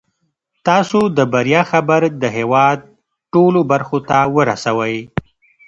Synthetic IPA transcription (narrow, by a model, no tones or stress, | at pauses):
t̪ɑsod̪əbaɾjɑxabaɾd̪əɦewɑd̪̚ | ʈolobaɾxot̪awəɾa̰sawəj